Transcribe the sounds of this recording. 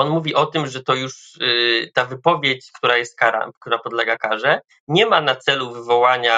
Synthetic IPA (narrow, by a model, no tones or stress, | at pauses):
ɔnmuvʲiʔɔt̪ɘmʐɛt̪ɔjuʂ | t̪avɘpɔvʲjet͡ɕkt̪uɾajɛst̪̚kaɾa̰k̚t̪uɾapɔd̪lɛɡakaʐɛ | ɲɛmanat̪sɛluvɘvɔwaɲa